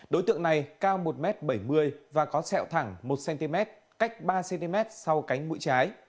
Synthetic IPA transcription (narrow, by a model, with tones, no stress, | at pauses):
ɗo˨˦jt̪ɨ̰˧˨əŋna˨˩jkaː˧wmo˨˩t̚mɛ˦˥t̚ɓə˧˩jmɨ˧əjvaː˨˩kɔ˨˦t͡ɕɛ̰˧˨wt̪ʰa˧˩ŋmo˨˩t̚sɛ˧nt̪i˧mɛ˦˥t̚ | ka˦˥jk̟̚ɓaː˧sɛ˧nt̪i˧mɛ˦˥t̚sa˧wka˨˦jŋ̟mṵ˧˥jt͡ɕaː˨˦j